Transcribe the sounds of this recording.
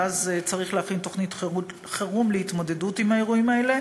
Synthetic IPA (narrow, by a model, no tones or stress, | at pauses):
azt͡saʁiχleafinto̞χnit | χeʁumleitmo̞de̞dutimhae̞ʁuimae̞le̞